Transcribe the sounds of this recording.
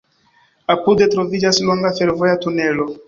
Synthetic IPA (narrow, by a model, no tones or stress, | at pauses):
apud̪et̪ɾovid͡ʒaslɔŋɡafeɾvojat̪unɛlo